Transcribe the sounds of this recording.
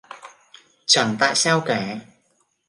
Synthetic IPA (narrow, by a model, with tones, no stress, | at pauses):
t͡ʃʰœː˨˩nt̪aː˧j̚sɐ˥wkɛː˨˩˦